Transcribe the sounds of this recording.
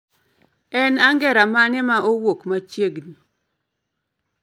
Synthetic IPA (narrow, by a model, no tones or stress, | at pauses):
ɛnaŋɡɛɾamanɪmaʔowokmat͡ʃjeɡni